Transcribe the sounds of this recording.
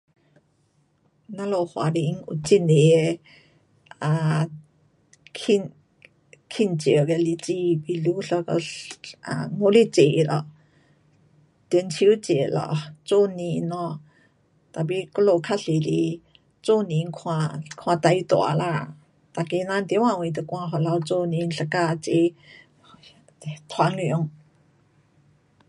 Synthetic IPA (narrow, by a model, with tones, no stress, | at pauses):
na˧lɔ˧˨hwa̰˨ɾi˧˨˦ŋṵ˧t͡si˧˨ne˨ | a˨ | kʰi˧n | kʰi˧˨nt͡ʃi˨ɡɛ˧˨li˧˨t͡si˧bi˧lu˧˦ɬa˧kɔ̰˧a˧˨ŋo˧˦li˧˨t͡se˨lɔ˧˨ʔ | t̪i˧˨nt͡sʰi˧˦wt͡se˨lɔ̰˧˨t͡so˧ni˧˨nɔ˧ | t̪a˨bi˧˨kɔ˥˧lo˧˨kʰa˥ɬi˨li˧ | t͡so˦˧ni˨ŋkʰwa˧kʰwa˧t̪a˧˨jt̪ɔ̰˨a̰˨la˧ | t̪a˨ke˧na˧nt̪e˧˦wã˧˨wt̪a˧kʷa˧ɦɔ˨la˧wt͡so˧ni˧˨nɬa˧ka˧t͡se˧˨ | t̪ʰwa˧ŋi˨ɔ˧˨ŋ